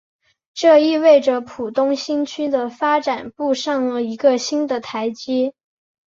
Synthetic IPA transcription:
ʈ͡ʂɤ˥˧i˥˧we˥˩ɪʈ͡ʂə˩pʰu˨˩t̪ʊ˥ŋɕi˥nt͡ɕʰy˥d̪ə˨fa˥ʈ͡ʂa˨˩npu˥˧ʂɑ˥˩ŋlə˩i˧˥ɡə˧ɕi˥nd̪ə˨t̪ʰa˧˥ɪt͡ɕi˥

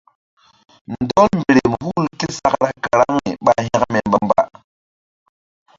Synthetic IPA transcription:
nndɔ˦lmbe˨ɾe˨m˨hu˦lki˦sa˦kɾa˦ka˨ɾa˦ŋ˦i˨ɓa˦ɦɛ˦kme˨mba˦mba̰˦

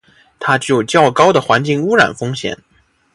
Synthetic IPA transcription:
t̪ʰa˥t͡ɕy˥˩o˩ʊ˩t͡ɕjɑ˥˩ʊkɑ˥ʊd̪ə˨xwa˧˥nt͡ɕi˥˩ŋu˥ɻa̰˨˩nfɤ˥ŋɕjɛ̰˨˩˦n

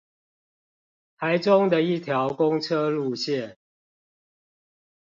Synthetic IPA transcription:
p̪ʰa˨˦ɪʈ͡ʂʊ˦ŋd̪ə˨i˥˨t̪ʰjɑ˨˦ʊkʊ˦ŋt͡sʰə˦lu˥˨ɕjɛ˥˨n

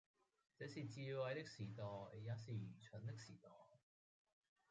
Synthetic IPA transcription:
t͡sɛː˨˥siː˨˩t͡siː˧wɐ˨˧jt̪ɪ˥k̚siː˨˩t̪ɔː˨˩jjɐ˨˧˥siː˨˩jyː˨˩t͡ʃʰɵ˨˥nt̪̬ɪ˥k̚siː˨˩t̪ɔː˨˩j

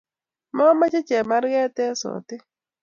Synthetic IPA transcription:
mɔ˦ma˦t͡ʃɪ˦t͡ʃɛ˨ma˦ɾɡɛ˦t̪ɛ˦so̰˨t̪ɪ˦

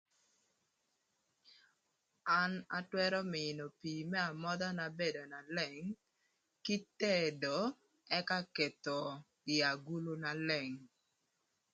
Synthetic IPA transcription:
a˦na̰˦twɛ˦ɾɔ˦mɪ˨no˨piː˨mɛ˦a˨mɔ˦d̪a˦na˨be˦do˨na˨lɛ˦˨ŋ | kɪ˦te˦do˨ | ɛ˦ka˦ke˨t̪o˨ | ɪ˨a˨ɡu˦lu˦na˨lɛ˨ŋ

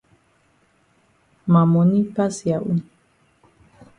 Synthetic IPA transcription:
ma˨mɔ˨ni˦pa˦si˨a˨ʔu˦n

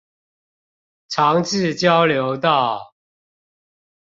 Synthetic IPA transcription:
ʈ͡ʂʰɑ˨˥ŋʈ͡ʂɻ̩˥˨t͡ɕjɑ˦ʊljo˨˦ʊt̪ɑ˥˨ʊ

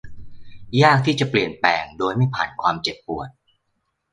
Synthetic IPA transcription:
jaː˥˩k̚t̪ʰiː˥˩t͡ɕa˨˩pli˨˩ənpɛ̰ː˨˩ŋdoː˧jma˥˩jpʰa̰ː˨˩nkʰwaː˧mt͡ɕe˨˩pːu˨˩ət̪̚

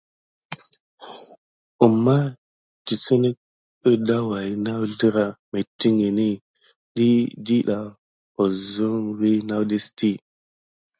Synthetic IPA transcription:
u˨mːa˦ | ti˨t͡sə˦ne˦k̚ | ə˦da˦wa˨˦na˦wɮi˦ɾa˨me˨ti˦ŋe˨ni˦ | ɗi˦di˦ɗa˨ | o˨zo˦ŋwe˦na˦wde˦sti˦

